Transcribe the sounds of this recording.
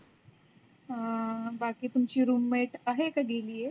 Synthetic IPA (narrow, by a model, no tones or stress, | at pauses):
ɦabakiːt̪umt͡ɕiːɾumːeʈəɦekaɡeliːje